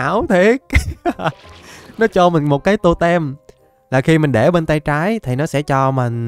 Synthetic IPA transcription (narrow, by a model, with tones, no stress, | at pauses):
wt̪ʰi˨˦k̚ | nɔ˨˦t͡ɕɔ˧mï˨˩ŋ̟mo˨˩t̚kaː˨˦jt̪o˧t̪ɛ˧m | laː˨˩xi˧mï˨˩ŋ̟ɗe˧˩ɓe˧nt̪a˧jt͡ɕaː˨˦jt̪ʰi˨˩nɔ˨˦sɛ̰˧˥t͡ɕɔ˧mï˨˩ŋ̟